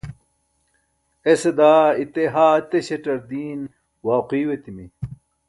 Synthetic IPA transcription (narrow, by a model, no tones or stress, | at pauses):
esed̪aːit̪eɦaːt̪eɕeʈɐɾd̪iːn | waːqiːwet̪imi